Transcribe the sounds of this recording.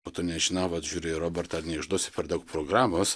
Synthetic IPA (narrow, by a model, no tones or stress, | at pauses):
oːt̪ʊnʲɛʒʲɪnɐʊʋɐt̪ʒʲuːɾʲɪɪɾoːbʲɛrt̪ɐnʲɛɪʒd̪uɔsʲɪ̥pʲɛɾd̪ɐʊkpɾoːɡɾɑːmoːs